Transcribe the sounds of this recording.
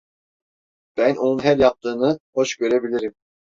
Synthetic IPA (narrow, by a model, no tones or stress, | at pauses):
b̥ænʔonunɦæljɑp̚t̪ʰɯːnɯho̞ʃɟø̞ɾɛbilʲiɾim